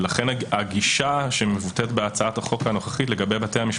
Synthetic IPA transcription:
laχenaɡiʃaʃemevutet̪beat͡saathaχo̞kano̞χḁχitle̞ɡabe̞jbatejamiʃ

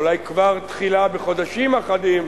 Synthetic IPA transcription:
lajkvaʁt̪χilabeχo̞d̪aʃimaχadim

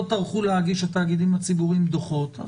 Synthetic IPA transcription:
taʁχulehaɡiʃat̪aːɡid̪imhat͡sibuʁimd̪oχo̞t̪a̰

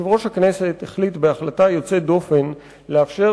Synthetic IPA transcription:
ivʁo̞ʃhakne̞se̞theχlitbeaχlatajo̞t͡se̞do̞fe̞n | leafʃe̞

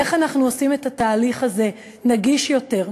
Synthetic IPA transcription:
eχanaχnuosime̞tataːliχaze̞ | naɡiʃjo̞te̞ʁ

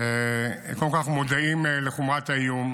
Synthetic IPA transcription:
ekolkaχmod̪aimleχumat̪aijum

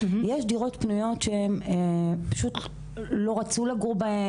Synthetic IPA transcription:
jeʃdiʁo̞t̪pnujo̞tʃeemepḁʃut̪ | lo̞ʁat͡sulaɡuʁbae

